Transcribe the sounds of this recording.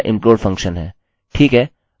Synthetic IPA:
ʔɪ̰̃mpɾoːɾɖfʰə̃ŋkʃənɦɛː | ʈʰiːkɦɛː

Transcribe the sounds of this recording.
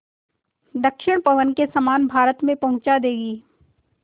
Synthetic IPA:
d̪əkʃɪɽ̃pɐʋənkesɐmaːnbʱaːɾət̪mẽpɐɦʊ̃t͡ʃad̪eːɡiː

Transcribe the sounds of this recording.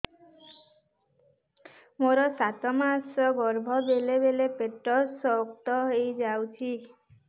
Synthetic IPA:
moɾɔsat̪ɔmasɔɡɔɾbʱɔbelebelepeʈɾɔsɔokt̪ɔɦejd͡ʒawt͡ʃʰi

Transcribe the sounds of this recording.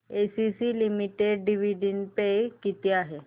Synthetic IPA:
esisilimiʈeɖɖiʋiɖinpekit̪iaɦe

